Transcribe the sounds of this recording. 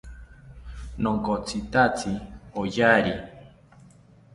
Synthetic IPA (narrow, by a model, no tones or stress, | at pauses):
noŋkot͡sit̪at͡siojaɾi